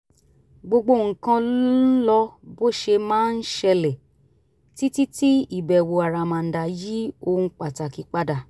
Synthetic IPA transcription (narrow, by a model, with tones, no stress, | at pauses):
ɡ͡bo˧ɡ͡bo˧˦˨ŋ̩˨kã˧llɔ˧bo˦ʃe˧mãː˦n̩˦ʃɛ˧lɛ˨ | ti˦ti˦ti˦i˨bɛ˨wo˨a˨ɾa˨mã˨n̩˨da˨ji˦o˧ŋ̩˦k͡pa˨ta˨ki˨˧k͡pa˦da˧˨